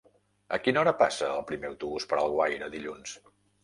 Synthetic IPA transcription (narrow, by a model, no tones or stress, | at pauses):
ə̰kinɔɾəpasəːlˠpɾimeəwt̪uβuspəɾalˠɣwajɾəðiʎuns